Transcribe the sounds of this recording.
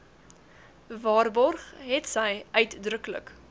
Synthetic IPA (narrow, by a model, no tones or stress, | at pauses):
vɑːrbɔrχɦɛtsɛjœɥtdrəklə̰k